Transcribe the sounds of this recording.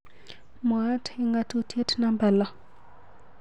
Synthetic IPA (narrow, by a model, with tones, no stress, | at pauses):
mo˨a˦tʰi˦ŋɡa˦˨tu˦tʰi˦e˦tʰna˦mba˨la˨